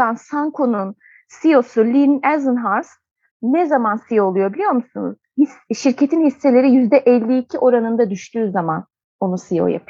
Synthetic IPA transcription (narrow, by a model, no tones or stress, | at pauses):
ansaŋkʰonun | sijo̞sulʲinɛzɯnɦaɾs | nɛzamansijoːlˠujo̞bilʲijo̞ɾmusunṵz̥hisʃiɾce̞t̪ʰinhisːelʲe̞ɾijyzd̪ɛʔɛlʲːiːcʰiʔo̞ɾanɯnd̪ad̪yʃt̪ʰyːzaman | o̞nusijo̰ja̰pʰɯ